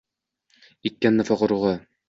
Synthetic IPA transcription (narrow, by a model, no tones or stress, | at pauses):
it̪̚kːænːɘfɒqɤ̆ɾuʁɑ